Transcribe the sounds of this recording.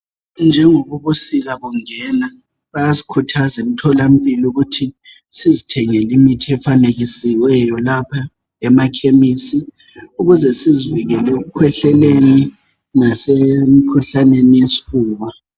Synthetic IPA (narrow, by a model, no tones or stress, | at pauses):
nd͡ʒʱɛŋɔβuβusiɣaβuŋɛna | βajasi̥kʰutʰazem̩tʰɔlam̩pʼiluɣutʰi | sizitʰɛŋɛlimitʰiɛfaneɣisiwɛjɔlapʰa | ɛmakʰemisi | uɣuzɛsiziviɣɛlɛuɣukʰwɛɬɛleni | nasemikʰuɬanenijesi̥fuːβa